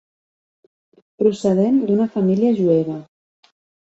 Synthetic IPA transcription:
pɾusəðend̪unəfamiliəʒueβɐ

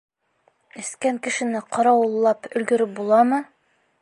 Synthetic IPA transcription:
ɘ̆skæŋkɘ̆ʃɘ̆nɘqɒɾɑwɤ̆lˠːɑpɵ̆lɡɵ̆ɾɘp̚bulˠɑmɤ

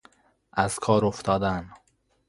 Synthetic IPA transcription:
ʔæz̥kʰɒːɾoft̪ɒːd̪æn

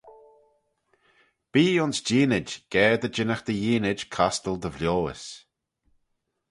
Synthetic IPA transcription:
b̥iːʊnsd͡ʒiːnɪd͡ʒɡ̥ɛːd̪əd͡ʒɪnəxd̪əjiːnɪd͡ʒkʰast̪əlˠd̪əvljoːə̰s

